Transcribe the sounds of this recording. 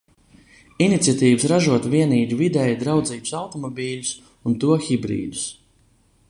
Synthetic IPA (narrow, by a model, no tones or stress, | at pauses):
init̪sʲjat̪iːvusɾaʒuɔt̪viɛniːd̪uvid̪ɛjd̪ɾawd̪ziːt̪u̥sawt̪ɔmɔbʲiːlʲus | unt̪uɔxibɾḭːd̪us